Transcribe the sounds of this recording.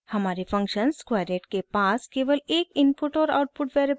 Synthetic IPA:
həmaɾefə̃ŋkɕənskʋajɾeʈkepaskeʋəlekinpuʈɔɾa̰wʈ̚puʈʋeɾ

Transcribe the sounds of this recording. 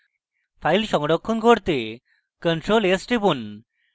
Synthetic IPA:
pʰajlʃɔŋɔɖɔkʰːɔnkoɾt̪e | kəɳʈɾolesʈipun

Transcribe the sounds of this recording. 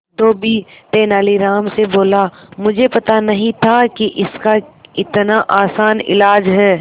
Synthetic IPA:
d̪oːbʱit̪eːnaːliɾaːmseboːlamʊd͡ʒʱepɐt̪anɐɦĩt̪ʰakiʔɪskaɪt̪naʔaːsaːnɪ̰laːd͡ʒɦɛː

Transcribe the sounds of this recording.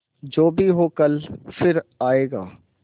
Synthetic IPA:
d͡ʒoːbʱiɦoːkɐlfɪɾaːeːɡa̰ː

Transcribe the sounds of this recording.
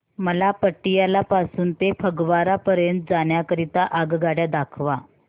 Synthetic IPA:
məlapəʈːijalapasuːnt̪efʰəɡʋaɾapəɾjənt̪̚d͡zaɳjakəɾit̪aʔaɡɡaɽjad̪akʰʋa

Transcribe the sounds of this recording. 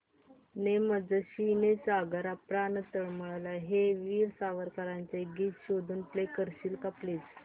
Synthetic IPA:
neməd͡zəɕinesaɡəɾapɾanəsəɭməɭalaɦeʋiːɾsaʋəɾkaɾant͡seɡiːt͡sɕod̪ʱuːnplekəɾɕiːlkaplet͡s

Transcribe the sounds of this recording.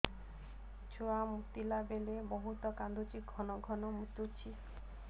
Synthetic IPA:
t͡ʃʰuamut̪ilabelebɔɦut̪ɔkand̪ut͡ʃiɡʱɔnɔɡʱɔnɔmut̪ut͡ʃʰi

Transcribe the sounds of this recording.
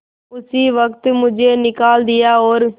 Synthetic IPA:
ʊsiːʋəkt̪mʊd͡ʒeːnɪkaːld̪ɪjaːoːɾ

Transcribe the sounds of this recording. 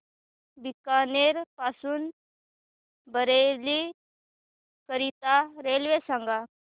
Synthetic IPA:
bikaneɾpasuːn | bəɾeli | kəɾit̪aɾelʋesãŋɡa

